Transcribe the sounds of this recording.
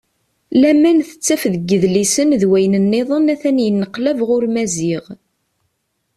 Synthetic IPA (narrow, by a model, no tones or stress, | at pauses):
læmænθə̥t͡sːæfðəɡːəðlisənðwæjnənːeðˤənæθænjənːəqlævʁʊɾmæziʁ